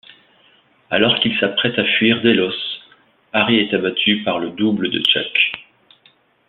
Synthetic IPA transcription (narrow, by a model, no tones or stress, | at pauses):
a̰lɔʁkilsapχɛt̪afɥiʁd̪elɔs | aʁiɛt̪abat̪ʰypaʁləd̪ubləd̪ə̰t͡ʃak